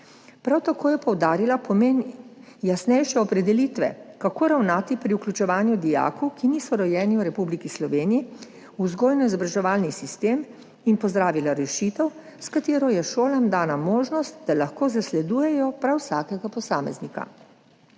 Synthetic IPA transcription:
pɾawt̪akoːjɛpɔwd̪aːɾilapɔmeːn | jasnɛjʃɛɔpɾɛd̪ɛliːt̪ʋɛ̰kakoːɾawnaːt̪ipɾiuklʲut͡ʃɛʋaːnjud̪ija̰ːkukiniːsɔɾɔjɛːniwɾɛpublikislɔʋeːniji | uzɡoːlnɔizɔbɾaʒɛʋaːlnisist̪eːm | inpɔzd̪ɾaːʋilaɾɛʃit̪ɛw | skat̪eːɾɔjɛʃoːlamd̪aːnamoːʒnɔst̪̚d̪alaxkoːzaslɛd̪uːjɛjɔpɾawsaːkɛɡapɔsaːmɛ̰znika̰

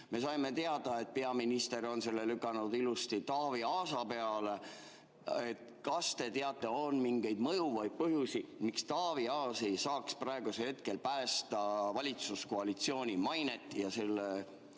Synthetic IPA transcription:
me̞sɑjme̞t̪e̞ɑd̪̥ɑe̞t̪̚pe̞ɑminist̪e̞ɾo̞nse̞lːe̞lykˑːɑnud̪ilust̪it̪ɑːviɑːsɑpe̞ɑle | et̪ | kɑst̪e̞t̪e̞ɑt̪ːˑe̞onmiŋɡ̥e̞jd̪mɤjuvɑjd̪̥̚pɤɦjusimikst̪ɑːviɑːsejsɑːksprɑe̞ɡ̥usehe̞t̪̚ke̞lpæːst̪ɑvɑlʲit̪suskoɑlit̪sio̞ːnʲimɑjne̞t̪ːˑjɑse̞lːe

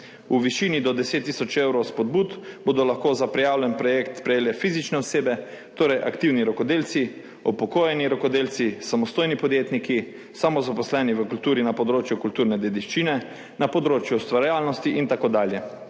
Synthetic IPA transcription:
uʋiʃiːnid̪ɔd̪ɛseːt̪ːisɔt͡ʃewɾɔwspɔd̪̚buːt̪boːd̪ɔlaxkoːzapɾɛjaːwlʲjɛnpɾɔjekt̪spɾɛjeːljɛfiːzit͡ʃnɛɔseːbɛ | t̪oːɾɛjʔakt̪iːwniɾɔkɔd̪eːlt̪si | ɔpɔkoːjɛniɾɔkɔd̪eːlt̪sisamɔst̪oːjnipɔd̪jeːt̪niki | samɔzapɔslɛːniʋəkult̪uːɾinapɔd̪ɾoːt͡ʃjukult̪uːɾnɛd̪ɛd̪iʃt͡ʃinɛ | napɔd̪ɾoːt͡ʃjuɔst̪ʋaɾjaːlnɔst̪iʔint̪akod̪aːljɛ

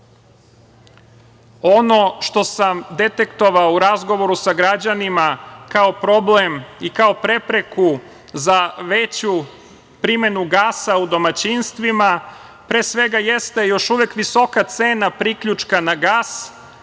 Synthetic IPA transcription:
o̞no̞ʃt̪o̞samd̪e̞t̪e̞kt̪o̞ʋaouɾazɡo̞ʋo̞ɾusaɡɾad͡ʑanimakao̞pɾo̞blemikao̞pɾe̞pɾe̞ku | zaʋet͡ɕu | pɾime̞nuɡaːsaud̪o̞mat͡ɕinst̪ʋima | pɾeːsʋe̞ɡaje̞st̪ejo̞ʃuʋekʋiso̞kat̪seːnapɾikʎut͡ʃkanaɡaːs

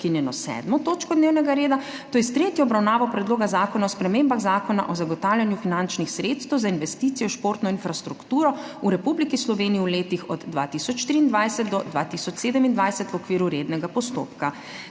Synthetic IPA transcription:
kinjɛnɔsɛ̰ːd̪mɔt̪oːt͡ʃkɔd̪neːwnɛɡaɾeːd̪a | t̪oːjɛst̪ɾeːt̪jɔɔbɾawnaːʋɔpɾɛd̪loːɡazaːkɔnaɔspɾɛmembaɣzaːkɔna̰ʔɔzaɡɔt̪awlʲjanjufinant͡ʃnixsɾet̪st̪ɛwzainʋɛst̪iːt̪sijɔʃpoɾt̪nɔinfɾast̪ɾukt̪uːɾɔ | uɾɛpublikislɔʋeːnijiwleːt̪ixɔd̪ːʋa̰t̪isɔt͡ʃʃt̪ɾiːnd̪ʋajsɛt̪̚d̪ɔd̪ʋa̰ːt̪isɔt͡ʃseːd̪əmind̪ʋajsɛt̪wɔkʋiːɾuɾeːd̪nɛɡapɔst̪o̰ːpka

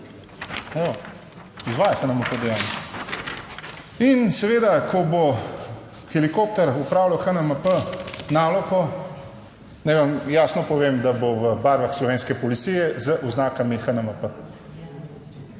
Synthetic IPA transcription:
ja | izʋaːjɛxənəməpəd̪ɛjaːni | insɛʋeːd̪akʰɔbo | xɛlikop̚t̪ɛɾupɾaːwlawxənəməpənaːlɔkɔ | najʋamjaːsnɔpɔʋeːmd̪aboʋəbaɾʋaxslɔʋeːnskɛpɔlit̪sijɛzəʔuznaːkamixənəməpə

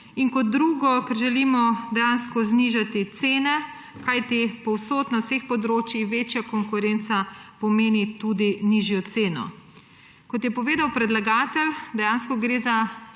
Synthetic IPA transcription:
iŋkɔd̪̚ːɾuːɡɔkɛɾʒɛlimɔd̪ɛjaːnskɔzniʒat̪it̪seːnɛ | kajt̪ipɔwsoːt̪nawsexpɔd̪ɾoːt͡ʃjixʋeːt͡ʃjakɔŋkuɾent̪sapɔmeːnit̪ud̪iniʒjɔt̪seːnɔ̰ | kɔt̪jɛpɔʋeːd̪awpɾɛd̪laɡaːt̪ɛld̪ɛjaːnskɔɡɾeːza

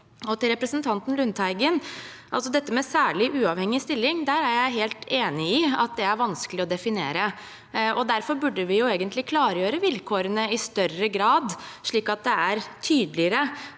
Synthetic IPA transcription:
ɔt̪ɪlɾɛpɾəsənt̪ʰɑnt̪n̩lʉnt̪hæɪɡən | ʔɑlsɔd̪ɛt̪ːəmɛsæːɭɪʔʉːɑʋhɛŋːɪst̪ɪlːɪŋd̪æːɾæɾjæɪɦeːlt̪ʰeːnɪɪɑ̰t̪̚d̪ɛæɾʋɑnskəlɪɔd̪ɛfɪnḛːɾə | ʔɔd̪æɾfɔɾbʉɖːəʋɪjʊeːɡənt̪lɪkʰlɑːɾəjøːɾəʋɪlkʰoːɾənəɪst̪œrəɡɾɑːd̪ʂɭiːkɑt̪̚d̪ɛæɾt̪ʰyːd̪lɪəɾə

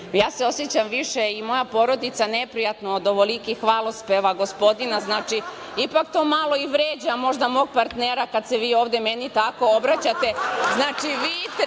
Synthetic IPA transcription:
jaːseo̞sjet͡ɕamʋiʃeimo̞japo̞ɾo̞d̪it̪sanepɾijat̪nood̪oʋolikixʋaːlˠospeʋaɡospo̞d̪inaznaːt͡ʂi | ipakt̪oːmalˠo̞iʋɾeːd͡ʑamo̞ʒd̪amo̞ːɡ̚paɾt̪neːɾakad̪seʋiːo̞ːʋd̪emenit̪ako̞obɾat͡ɕat̪e̞znaːt͡ʃiʋiːt̪

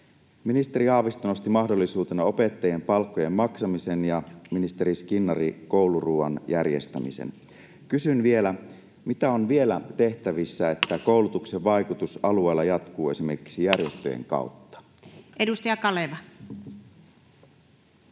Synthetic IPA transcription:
minist̪e̞ɾiɑːʋist̪ono̞st̪imɑhdo̞lːisuːt̪enɑo̞pe̞t̪ːɑje̞mpɑlkːoje̞mːɑksɑmise̞njɑminist̪e̞ɾiskinːɑriko̞wluruːɑ̰njærjest̪æ̰mḭsḛn | kysynʋie̞læ | mit̪æo̞nʋie̞læt̪e̞ht̪æʋisːæe̞t̪ːæko̞wlut̪ukse̞ʋʋɑjkut̪usɑlue̞ːlːɑjɑt̪kuːe̞sime̞rki̥ksijærje̞st̪ø̰jḛŋkɑ̰ut̪ːɑ̥ | ʔedust̪ɑjɑkɑleʋɑ

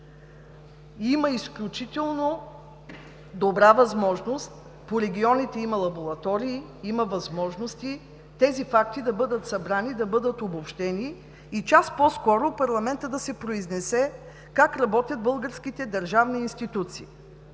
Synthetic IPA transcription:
iməisklʲut͡ʃit̪ɛlˠno | d̪obɾavɐzmɔʒnost̪ | poɾɛɡʲiɔnit̪ɛimɐlˠɐboɾˠɐt̪ɔɾiː | iməvɐzmɔʒnost̪i | t̪ɛzifak̚t̪id̪ɐbɤd̪ət̪sɐbɾanid̪ɐbɤd̪ət̪obopʃt̪ɛniː | t͡ʃaspɔskɔɾopɐɾlˠɐmɛnt̪əd̪ɐsɛpɾoiznɛsɛ | kakɾɐbɔt̪ʲjɐt̪̚bɤlˠɡəɾskit̪ɛd̪ɐɾʒavniːnst̪it̪ut̪sḭː

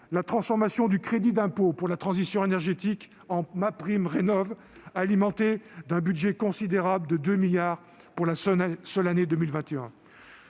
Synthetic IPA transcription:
lat̪χɑ̃sfɔʁmasjɔ̃d̪ykχed̪id̪ɛ̃popuʁlat̪χɑ̃zisjɔ̃enɛʁʒet̪ik | ɑ̃mapχimʁenɔv | alimɑ̃t̪ed̪ɛ̃bydʒɛkɔ̃sid̪eʁabləd̪əd̪ømiljaːʁ | puʁlasœlaned̪əmilvɛ̃t̪eɛ̃

